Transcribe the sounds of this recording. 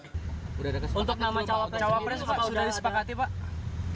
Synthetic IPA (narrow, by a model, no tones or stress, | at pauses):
uɾadakasunt̪ʊk̚namat͡ʃawat͡ʃawapɾɛspasudahdisə̥pakat̪ipaʔ